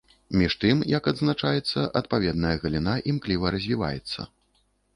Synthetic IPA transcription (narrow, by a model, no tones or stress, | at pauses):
mʲiʂt̪ɨmjɐkɐd̪znat͡ʂajɛt̪sːɐʔɐt̪̚pavʲɛd̪nɐjɐɣɐlʲinaʔimklʲivɐɾɐzʲvʲiva̰jɛ̰t̪sːɐ̰